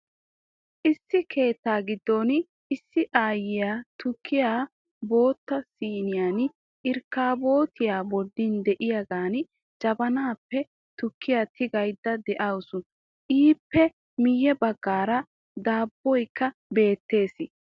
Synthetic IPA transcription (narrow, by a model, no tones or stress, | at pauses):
ʔɪsːɪkʰe̞ːt̪ːaːɡɪd̪ːɔn | ɪsːɪʔaːjɪjaːt̪ʊkʰːɪjaː | bo̞ːt̪ːɐsiːnɪjaːn | ʔɪɾkːaːbo̞ːt̪ɪjaːbɔd̪ːɪnd̪ɛʔɪjaɡaːn | d͡ʒɐbɐnaːpːɛ | t̪ʊkʰːɪjaːt̪ʰɪɡɐjd̪ːɐd̪ɛʔɐwʊsʊ | ʔiːpːɛ | mɪjːɛbɐɡːaːɾɐ | d̪aːbːɔjkːɐbe̞ːt̪ːe̞ːsɪ